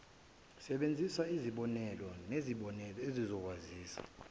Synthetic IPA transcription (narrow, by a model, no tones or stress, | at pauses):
sɛɓend͡zʱisaiziɓɔnɛlɔneziɓɔnɛlɔezizɔk̬waziːsḁ̰